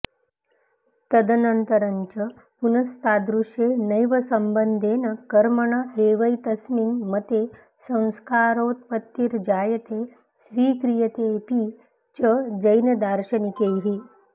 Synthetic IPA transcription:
t̪ɐd̪ənənt̪əɾɐɲt͡ʃə | punɐst̪ʰaːd̪ɾuʂjenɐjʋəsɐmbənd̪ʱeːnɐkɐɾmɐɳ̃aɦeːʋɐjt̪ɐsminmət̪e | sɐ̃w̃skaːɾoːt̪̚pət̪ːiːɾd͡ʑaːjət̪e | sʋiːkɾijɐt̪epi | t͡ɕəd͡ʒəjnɐd̪aːɾɕɐnikeɦi

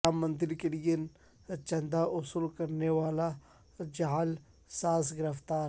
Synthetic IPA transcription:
amːə̃nzɪɾkelijən | t͡ʃɐ̃nd̪aʔʊsuːlkɐɾneʋaːla | d͡ʒaɦl | saːsɡɪɾəft̪aːɾ

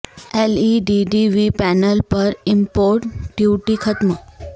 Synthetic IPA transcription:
eliɖiɖiʋipænəlpəɾimpoɾʈɖjuʈikʰət̪mə

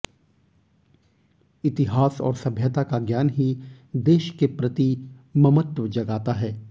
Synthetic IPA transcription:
ɪt̪ɪɦaːsɔ̰ːɾsɐbʱjət̪akaɡjaːnɦi | d̪eːʃkepɾɐt̪imɐmət̪ʋəd͡ʒɐɡaːt̪aɦɛː

